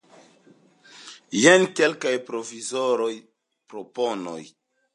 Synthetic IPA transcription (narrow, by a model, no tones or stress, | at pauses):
jenkelkajpɾo̞vizoɾo̞j | pɾopono̰j